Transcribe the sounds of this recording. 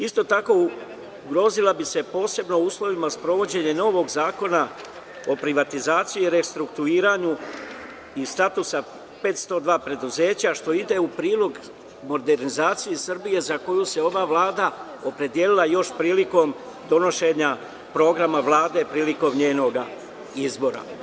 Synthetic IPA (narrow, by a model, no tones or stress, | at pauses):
ist̪ot̪ako̞ | ɡɾo̞ːzilabise̞po̞ːse̞bno̞uːslˠo̞ʋimaspɾo̞ʋo̞d͡ʑe̞ɲe̞no̞ːʋo̞ɡzaːko̞na | o̞pɾiʋat̪izaːt̪sijiiɾe̞st̪ɾukt̪uiːɾaɲu | ist̪at̪usa | pe̞ːt̪st̪o̞d̪ʋaːpɾe̞d̪uze̞ːt͡ɕaʃt̪o̞id̪e̞upɾiːlo̞ɡ | mo̞d̪e̞ɾnizaːt̪sijesr̩bije̞zako̞juse̞o̞ʋaʋlaːd̪a | o̞pɾe̞d̪ije̞lilˠajo̞ʃpɾiːliko̞m | d̪o̞no̞ʃe̞ɲa | pɾo̞ɡɾamaʋlˠaːd̪e̞pɾiːliko̞mɲe̞ːno̞ɡa | izbo̞ɾa̰